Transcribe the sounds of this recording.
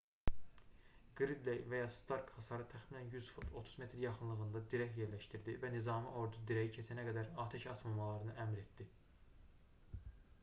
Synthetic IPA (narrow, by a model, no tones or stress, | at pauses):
ɡ̥ɾid̪lejvæjɑst̪ɑɾkhɑsɑɾɯt̪ʰæxminænjyzfut̪ʰo̞t̪ʰu̥zme̞t̪ɾjɑχɯnlˠɯɣɯnd̪ɑd̪iɾæçje̞ɾlæʃt̪iɾd̪ivænizɑːmɯʔo̞ɾd̪ud̪iɾæjicʰesænæɡæd̪æɾɑːt̪ʰæʃɑsmɑmɑlˠɑɾɯnɯʔæmɾet̪d̪i